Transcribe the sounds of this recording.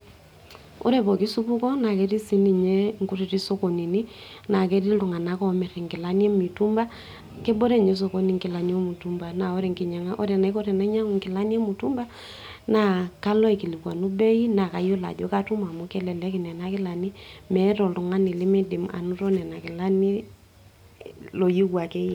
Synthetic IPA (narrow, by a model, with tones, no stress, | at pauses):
o̰˦ɾɛ˨pɔ˨ki˦su˦pu˦kɔ˦na˨kɛ˨˦ti˦si˦ni˨ɲɛ˦ŋku˦ɾi˨ti˦so˦ko˨ni˨ni˦na˨kɛ˦ti˦ltu˨ŋa˨na˨˦kɔ˦mɛ˨ɾɛ˨ŋkɪ˨la˦ni˦ɛ˦mi˨tu˦mba˦ | ke˦bɔ˦ɾɛ˦ɲɛ˨˦s̬o˨ko˦ni˨ŋki˨la˨ni˦ɔ˦mu˨tu˦mba˨na˨ɔ˦ɾɛ˨ŋki˨ɲa˨ŋa˦ʔɔ˦ɾɛ˨na˨i˦kɔ˦ɾɛ˨na˦ɲa˦ŋ˨ŋki˨la˦ni˦ɛ˦mu˨tu˦mba˦ | na˨ka˦lɔ˦i˨ki˨li˨kwa˨nu˦bɛ˦i˦na˨ka˨jo˦la̰˨d͡ʒo˦ka˦tu˦ma˨mu˦kɛ˦lɛ˨lɛ˦ki˨nɛ˨na˦kɪ˦la˨ni˦mɛ˨˦tɔ˨ltu˨ŋa˦ni˨li˦mɛ˦di˨ma̰˨nu˦ɾɔ˦nɛ˨na˨kɪ˨la˦ni˦ | lo˨ji˦kwa˨kɛ˦jɛ˨